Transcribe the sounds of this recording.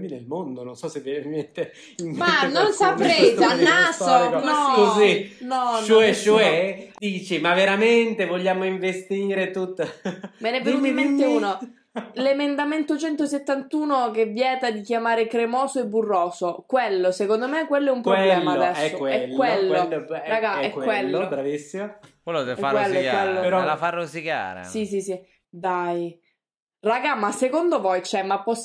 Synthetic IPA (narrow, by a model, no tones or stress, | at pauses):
minelmond̪ononsɔsevɛneviment̪e | imanːonsapɾet̪anːasonɔkozinɔnt͡ʃoɛt͡ʃoɛd̪iːt͡ʃimavːeɾament̪evoʎːaːmoiɱvest̪iːɾet̪ut̪ːmenɛvːenut̪imːent̪euːno | lemend̪ament̪ot͡ʃɛnt̪oset̪ːant̪uːnokevjɛːt̪ad̪ikjamaːɾekɾemɔːsoebːurːɔːsokwelːosekond̪omekːwelːoɛumpɾoblɛːmad̪ɛsoɛlkːwelːoɾaɡaɛkkwelːobɾavisːimokwelːot̪efawelːokwelːoɾɔlafarːozika̰ːɾḛsisisi | d̪aj | raɡamasekond̪ovɔjt͡ʃɛmapːɔs